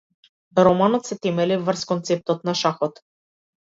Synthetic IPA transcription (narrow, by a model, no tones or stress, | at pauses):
ɾɔmanɔt̪sɛt̪ɛmɛlivrskɔnt̪sɛp̚t̪ɔt̪naʃaxɔt̪